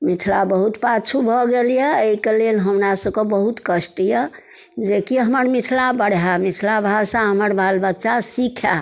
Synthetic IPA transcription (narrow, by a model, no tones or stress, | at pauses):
mit̪ʰlabəɦut̪pat͡ʃʰubʱɔɡelijɛeikelelɦəmɾasəbkebəɦut̪kəsʈijə | d͡ʒekiɦəməɾmit̪ʰlabəɽ̤ɦamit̪ʰlabʱasãɦəməɾbʱalbətːʃasikʰa